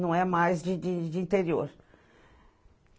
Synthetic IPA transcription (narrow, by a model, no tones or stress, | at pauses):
nɐ̃w̃ɛmajzd͡ʒɪd͡ʒɪd͡ʒɪĩnt̪eɾioɾ